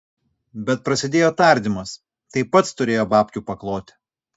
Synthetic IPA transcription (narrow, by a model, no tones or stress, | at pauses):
bʲɛt̪̚pɾɐsʲɪd̪ʲeːjoːt̪ɐˑɾʲd̪ʲɪmɐs | t̪ɐɪpːɐt̪st̪ʊɾʲeːjoːbɑːpʲkʲuːpɐklˠoːt̪ʲɪ̥